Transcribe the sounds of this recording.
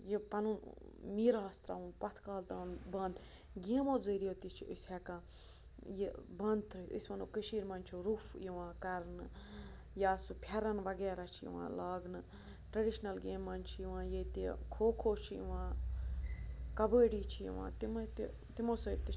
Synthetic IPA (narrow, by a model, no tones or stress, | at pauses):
jipɐnun | miːɾaːst̪ɾa̰ːunpɐt̪ʰkaːlt̪aːnbɐnd̪ | ɡʲeːmoːd͡zəːɾijot̪it͡ʃʰiisʲɛkãː | jebɐ̃nd̪̚ʰɾɨisʲʋɐnokəʃiːɾmɐnʲt͡ʃʰuɾufjiʋãːkɐɾnɨ | jaːsupʰɐɾɐnʋɐɡeːɾat͡ʃʰijḭʋã̰ːlaːɡnɨ | ʈɾɐɖiʃnɐlɡeːmːɐnʲt͡ʃʰijiʋãːjet̪ikʰoːkʰoːt͡ʃʰijḭʋãː | kɐbəːɽiːt͡ʃʰijḭʋã̰ːt̪imɐt̪i | t̪imoːsət̪i